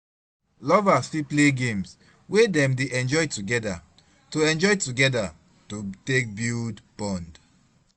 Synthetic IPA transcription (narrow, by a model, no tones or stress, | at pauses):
lɔvasipleɡẽms | wedɛ̃mdeʔɛ̃nd͡ʒɔjtuɡɛda | toɛ̃nd͡ʒɔjtuɡɛda | totek̚bildb̥ɔ̃nd